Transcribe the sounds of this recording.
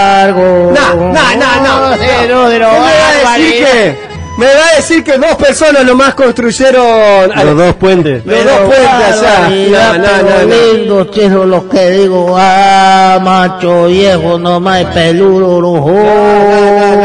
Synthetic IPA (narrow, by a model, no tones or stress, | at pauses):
ɾɣononononoenoeɾomeβaðesiɾke | meβaðesiɾkeðospeɾsonasnomaskonst̪ɾuʃeɾonaloðospwent̪esloðopwent̪es | anaolind̪ot͡ʃeɾolokeðiɣoa | mat͡ʃoβjexonõmajpeluɾoɾoho